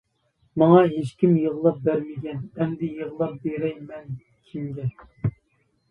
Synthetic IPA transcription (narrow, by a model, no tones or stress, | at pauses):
mɑŋɑɦeʃkʲimjəʁlˠɑp̚bæɾmɪɡʲɛnɛmd̪ɪjəʁlˠɑp̚beɾɛjmɛn | kʲʰimɡʲɛ